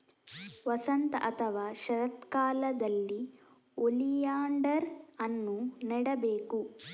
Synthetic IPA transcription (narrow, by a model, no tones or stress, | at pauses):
ʋɐsɐnt̪ɐʔɐt̪ʰɐʋaːʃɐɾɐt̪kaːlɐd̪ɐlːi | olijaːɳɖɐɾɐnːunɛɽɐbeːku